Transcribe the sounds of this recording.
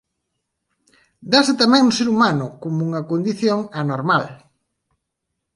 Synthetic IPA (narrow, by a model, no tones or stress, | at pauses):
d̪asɪt̪amɛ̃ŋʊseɾumanʊkomʊuŋɐkond̪iθjoŋanoɾmal